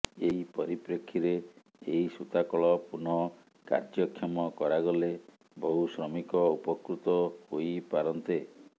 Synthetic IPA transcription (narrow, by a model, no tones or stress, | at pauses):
eɦipɔɾipɾekʰːiɾeː | ɦisut̪akɔɭɔpunɔ | ka̰ɾd͡ʒɔkʰːjɔmɔkɔɾaɡɔle | bɔɦusɾɔmikɔupɔkɾut̪ɔɦojpaɾɔnt̪e